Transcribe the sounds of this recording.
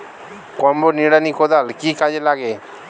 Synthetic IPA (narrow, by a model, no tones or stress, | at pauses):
kɔmboniɽanikʰod̪alkikad͡ʒelaɡe